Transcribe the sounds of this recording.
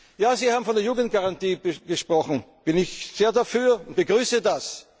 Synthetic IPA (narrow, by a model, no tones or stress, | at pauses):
jaːziːhaːbm̩fɔndeɐjuːɡən̩t̚ɡ̥aʁantiːbəɡ̥əʃpʁ̥ɔxn̩b̥ɪnɪçz̥eːɐdafyːɐʊnt̚b̥əɡʁyːsədas